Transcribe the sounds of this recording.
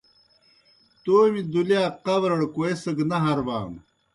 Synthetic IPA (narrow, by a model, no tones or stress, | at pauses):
t̪oːmid̪ulijaːqɐbɾɐɽkoesɨɡnɐɦɐɾba̰ːm